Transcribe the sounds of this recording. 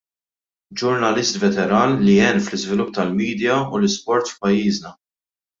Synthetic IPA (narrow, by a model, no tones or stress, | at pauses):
d͡ʒʊɾnɐlɪst̪vɛt̪ɛɾɐːnːiɛnːflɪzvɪlʊp̚ːt̪ɐlmiːd̪jɐṵlɪspɔɾt̪fpɐjːiːznɐ